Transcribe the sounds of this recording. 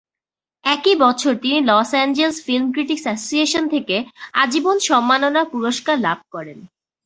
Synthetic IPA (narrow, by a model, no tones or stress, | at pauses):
ɛkibɔt͡ɕʰoɾt̪inilɔsɛnd͡ʑelsfilmkɾiʈiksasosieʃont̪ʰekead͡ʑibonʃɔmːanonapuɾoʃkaɾlab̚ʱkɔɾen